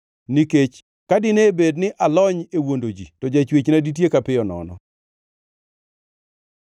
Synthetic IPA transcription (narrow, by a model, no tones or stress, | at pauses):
niket͡ʃ | kadɪnebednɪʔalɔɲewondod͡ʒḭtɔd͡ʒat͡ʃwet͡ʃnadit̬jekapɪjɔnɔ̰nɔ̰